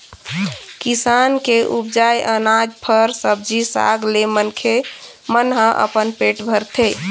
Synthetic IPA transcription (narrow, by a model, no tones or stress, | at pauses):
kisankeʔupd͡ʒajʔənad͡ʒpʰəɾsəb̚d͡ʒisa̰ɡlemənkʰe | mənɦə̃ʔə̰pənpeʈbʱəɾt̪ʰe